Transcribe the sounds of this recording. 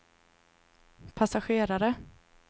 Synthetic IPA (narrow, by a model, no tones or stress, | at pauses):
pʰasaɧeːɾaɾə